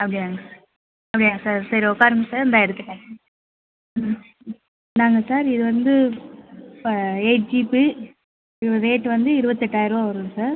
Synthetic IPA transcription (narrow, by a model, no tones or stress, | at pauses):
ɐpːɐɽiaːŋɡɐ | ɐpːɐɽɪnaːŋɐsaːɾsɐɾiʊkːaːɾɯŋɡɐsaːɾɪnd̪aːɛɾɯt̪ːɪʈːẽː | naːŋɡɐsaːɾɪðɯʋɐnd̪ɯ | eɪʈ̚d͡ʒipi | ɪɾɯʋɐðeːʈːɯʋɐnd̪ɯɪɾɯbɐt̪ːɛʈːaːjɪɾɯoɐʋɐɾɯ̃saːɾ